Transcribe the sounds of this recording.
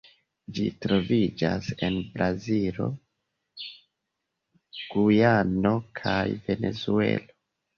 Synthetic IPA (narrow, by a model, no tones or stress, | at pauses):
d͡ʒitɾo̞vid͡ʒase̞nbɾazilo̞ | ɡ̥ujano̞kʰajve̞ne̞̰zue̞̰lo